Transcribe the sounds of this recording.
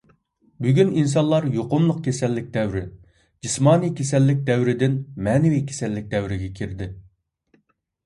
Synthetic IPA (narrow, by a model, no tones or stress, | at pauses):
byɡʲynins̬ɑnlˠɑɾjoqʊmlˠʊq̚kʲʰesɛlːɪk̚ʲd̪ɛwɾɪ | d͡ʒismɑːnikʲʰesɛlːɪk̚ʲd̪ɛwɾɪd̪ɪnmɛːnɪwikʲʰe̥sɛlːɪk̚ʲd̪ɛwɾɪɡʲɛkʲʰiɾd̪ɪ